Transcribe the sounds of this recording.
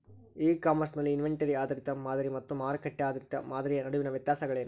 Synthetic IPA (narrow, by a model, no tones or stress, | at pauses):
iːkaːmɐɾsnɐlːiːnʋeɳʈɐɾiaːd̪ɐɾit̪ɐmaːd̪ɐɾimɐt̪ːumaːɾɐkɐʈːeaːd̪ɐɾit̪ɐ̰maːd̪ɐɾijɐnɐɽuʋinɐʋjɐt̪jaːsɐɡɐɭe̞ːnu